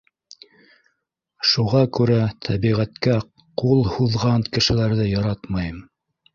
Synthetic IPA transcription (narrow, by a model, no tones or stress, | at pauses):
ʃuʁɑkʉɾæt̪ʰæβiʁæt̪kæ | qulˠhuðʁɑnkɘ̆ʃɘ̆læɾðɘjɑɾɑt̪mɑjɤm